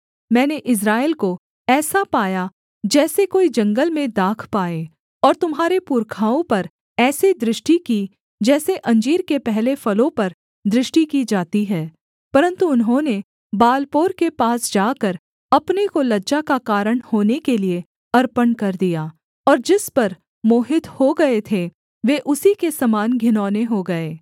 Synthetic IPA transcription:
mɛ̃ːneʔɪs̬ɾaːelko | ɛːsapaːja | d͡ʒɛːsekoːid͡ʒɐ̃ŋɡəlmẽd̪aːkʰpaːe | ɔːɾt̪ʊmɦaːɾepuːɾkʰaːõpɐɾ | ɛːsid̪ɾɪʃʈiki | d͡ʒɛːseʔɐ̃ɲd͡ʒiːɾkepɛɦlefɐlõpɐɾ | d̪ɾɪʃʈikid͡ʒaːt̪iɦɛː | pɐɾə̃nt̪uʊnɦõne | baːlpoːɾkepaːsd͡ʒaːkɐɾ | ɐpnekolɐdʃakakaːɾəɽ̃hoːnekelie | ɐɾpənkɐɾd̪ijaː | ɔːɾd͡ʒɪspɐɾ | moːɦɪt̪hoɡɐet̪ʰe | ʋeːʔʊsikesɐmaːnɡʱɪnɔːneɦoɡɐeː

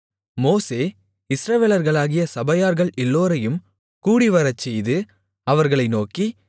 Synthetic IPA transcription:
moːseː | ɪsɾɐʋeːlɐɾɣɐɭaːɣɪjɐsɐbɐjaːɾɣɐɭʔɛlːoːɾɐjɯm | kuːɽɪʋɐɾɐt͡ʃːɛjðɯ | ɐʋɐɾɣɐɭɐɪnoːki

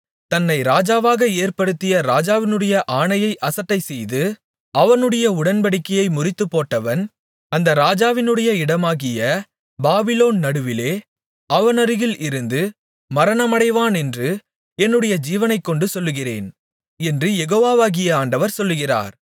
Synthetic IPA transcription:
t̪ɐnːɐɪɾaːd͡ʒaːʋaːɣɐeːɾpɐɽɯt̪ːɪjɐɾaːd͡ʒaːʋɪnɯɽɐjɐʔaːɳɐjɐɪʔɐsɐʈːɐɪsɛjðɯ | ɐʋɐnɯɽɐjɐʊɽɐnbɐɽɪkːɐjɐɪmʊrɪt̪ːɯpːoːʈːɐʋɐn | ɐnd̪ɐɾaːd͡ʒaːʋɪnɯɽɐjɐɪɽɐmaːɣɪjɐ | baːbɪloːnnɐɽɯʋɪleː | ɐʋɐnɐɾɯɣɪlɪɾɯnd̪ɯ | mɐɾɐnɐmɐɽɐɪʋaːnɛndrɯ | ɛnːɯɽɐjɐd͡ʒiːʋɐnɐɪkːɔɳɖɯsɔlːɯɣɪrḛːn | ɛndrɯjɛɣoːʋaːʋaːɣɪjɐaːɳɖɐʋɐɾsɔlːɯɣɪra̰ːɾ

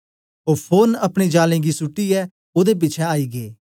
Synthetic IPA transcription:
oːpʰoːnɐpɽ̃id͡ʒaːlẽːɡisʊʈːiɛː | oːd̪ep̬ɪt͡ʃʰɛaːiːɡeː

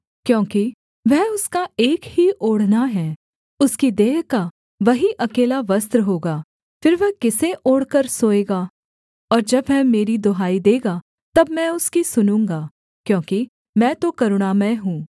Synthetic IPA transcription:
kjõːki | ʋɛɦʊskaeːkhiʔoːɽ̤naɦɛː | ʊskid̪eːɦka | ʋɐɦiʔɐkeːlaʋɐst̪ɾəɦoːɡaː | fɪɾʋɛɦkɪseʔoːɽkəɾsoːeːɡaː | ɔːɾd͡ʒɐbʋɛɦmeːɾid̪oɦaːid̪eːɡa | t̪ɐbmɛ̃ʊskisʊnũːŋɡaː | kjõːki | mɛ̃ːt̪okɐɾʊɽ̃amɛ̃ɦũː

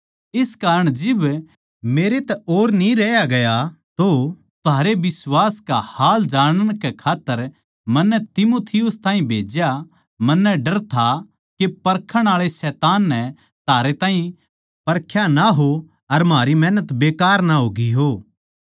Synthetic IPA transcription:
ɪskaːɾəɽ̃d͡ʒɪb | meːɾet̪ɛoːɾnĩɾɛːjaɡɐjat̪o | t̪ʊɦaːɾebɪswaːskahaːld͡ʒaːɽ̃əɽ̃kekʰaːt̪ːəɾ | mɐnːɛt̪ɪmoːt̪ʰɪjʊst̪aːɦĩbʱeːd͡ʒja | mɐnːɛɖɐɾt̪ʰa | kepɐɾkʰəɽ̃aːɭesɛːt̪aːnːɛ | t̪aːɾet̪aːɦĩ | pɐɾkʰjanaɦo | ɐɾmaːɾimɛ̃ːnət̪beːkaːɾnaɦoːɡiɦoː

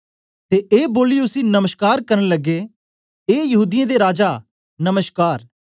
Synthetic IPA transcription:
t̪eʔeːboːliʊsinɐməʃkaːɾkɐɾəɽ̃ləɡe | eːjɐɦuːd̪ɪjãd̪eɾaːd͡ʒa | nɐməʃkaːɾ

